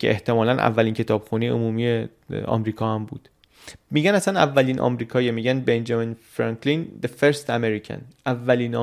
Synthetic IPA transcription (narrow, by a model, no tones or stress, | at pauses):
cʰe̞̰ʔeht̪ʰe̞mɒːlænʔæ̰vːæliːncʰe̞t̪ʰɒːb̥xuneo̰muːmije | ɒ̰mɾiːkʰɒːhæmbuːd̪̥ | miːɟænæsænæ̰vːæliːnʔɒ̰mɾiːkʰɒːjemiːɟænbend͡ʒɒminfɾɒŋkʰlind̪efeɾst̪æmeɾicʰæ̰nʔævːæliːn